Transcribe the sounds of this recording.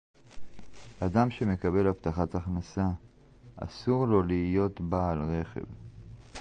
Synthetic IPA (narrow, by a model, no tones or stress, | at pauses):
adamʃe̞me̞kabe̞lapt̪aχataχnasa | ʔa̰suʁlo̞liijo̞tbaːlʁe̞χe̞̰v